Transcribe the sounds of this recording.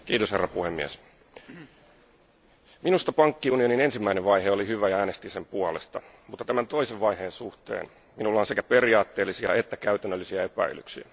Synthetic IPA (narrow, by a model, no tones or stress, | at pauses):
kiːt̪oshḛrːɑpuhemːḭæ̰s | minust̪ɑpɑŋkːiunio̞nine̞nsimːæineʋʋɑjɦeolihyʋæjɑæːnest̪ise̞mpuɑle̞st̪ɑ̰ | mut̪ːɑt̪æmænt̪o̞iseʋʋɑihe̞ːnsuht̪ḛːn | minulːɑːnsekæpe̞riɑːt̪ːe̞ːlːisiɑ̰et̪ːækæyt̪ænːølːisiɑepæ̰ily̰ksḭæ̰